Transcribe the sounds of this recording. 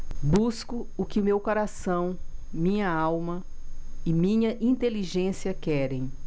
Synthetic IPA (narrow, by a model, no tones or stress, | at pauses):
buskʊʊkɪʊmewkoɾasɐ̃w̃mĩɲɐawmɐɪmĩɲɐʔĩnt̪eliʒẽsiɐkɛɾẽj̃